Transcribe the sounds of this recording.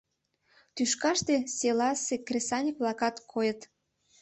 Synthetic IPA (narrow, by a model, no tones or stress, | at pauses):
t̪yʃkɑʃt̪eselɑsekrʲesɑnʲikβlɑkɑt̪kʰojət̪